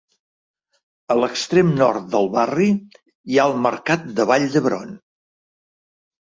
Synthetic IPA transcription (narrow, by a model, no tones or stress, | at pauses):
ələkst̪ɾemnɔrt̪̚d̪əlˠβari | iaəlˠməɾkat̪̚d̪əβaʎd̪əβɾɔ̰n